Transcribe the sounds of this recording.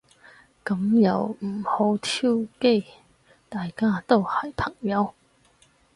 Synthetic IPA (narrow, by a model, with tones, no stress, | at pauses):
kɐ˨˥mjɐ˨˧wm̩˨˩ho˨˥wt̪ʰi˥wke˥˧ | t̪aː˨jkaː˥t̪o˥whɐ˨˩jpʰɐ˨˩ŋjɐ˨˧˥w